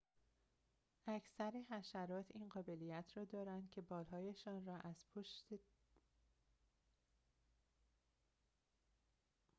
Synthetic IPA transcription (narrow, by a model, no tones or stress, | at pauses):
ʔæcʰsæɾeɦæʃæɾɒːt̪ʰiːnɢɒːbe̞lijæt̪ʰɾɒːd̪ɒːɾænd̪̥̚cʰe̞bɒːlɦɒːjeʃɒːnrɒːʔæz̥pʰoʃt̪